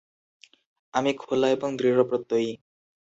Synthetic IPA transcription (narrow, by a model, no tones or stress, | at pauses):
amikʰolaebɔŋd̪ɾiɾɔpɾɔt̪ːoj